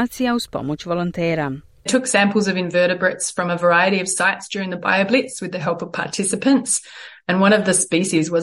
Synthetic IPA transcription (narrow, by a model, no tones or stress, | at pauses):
siaʊspɔ̰mut͡ʃvɔlɔ̃nt̪ʰɛːɾa | tʰʊksæ̃mpl̩ˠzʌvɨ̃ɱvɜ˞ɾɨbɹɨtsfɹʌ̃məvə˞aɪɨɾiʌv̥saɪtsd̥ʊɹɪ̃ŋðɨba̰ɪɨblɪtswɨðɨɦɛlˠpʌv̥pʰɑ̰ɹtʰɪsɨpɨ̃ntsɨ̃nwʌ̃ɾ̃ʌvðɨspiʃizwʌ